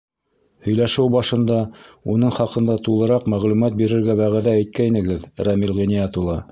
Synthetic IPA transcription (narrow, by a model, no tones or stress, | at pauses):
hɵ̆jlæʃɘwbɑʃɤ̆nd̪ɑun̪ɤɴχɑqɤ̆nd̪ɑt̪ulˠɤ̆ɾɑqmæʁlumæt̪̚biɾɘ̆ɾɡæβæʁæðææjt̪̚kæinɘ̆ɡɘðɾɑmilʁinʲiɑt̪ulˠɑ